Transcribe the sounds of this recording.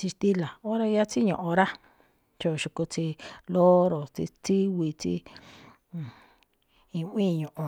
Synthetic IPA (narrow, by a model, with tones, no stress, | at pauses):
t͡ʃi˧ʃt̪i˦la˨o˦ɾa˧ja˦t͡si˦ɲõ˨ʔõ˧ɾa˦ | t͡ʃo˧˨ʃu˧ku˧t͡si˧lo˦ɾo˨t͡sḭ˧t͡si˦wi˧t͡sḭ̃˧ | ĩ˧˦ĩː˦˨˧ɲõ˨ʔõ˧